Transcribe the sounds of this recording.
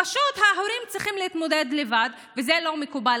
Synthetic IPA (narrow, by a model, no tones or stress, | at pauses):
aʃut̪haħoɾimt͡sʁiχimlehit̪mo̞d̪ed̪levad̪ | vezelo̞mekuba